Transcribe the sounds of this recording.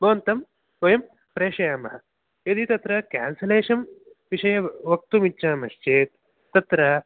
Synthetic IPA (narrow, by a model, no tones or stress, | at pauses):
bɐʋɐnt̪ɐm | ʋɐjɐm | pɾeːʂɐjaːmɐɦɐ | jɐd̪it̪ɐt̪ɾɐka̰ːnsɐleːʂɐm | ʋiʂɐjɐʋɐk̚t̪umitːt͡ʃaːmɐʃt͡ʃeːt̪̚ː | ɐt̪ɾɐ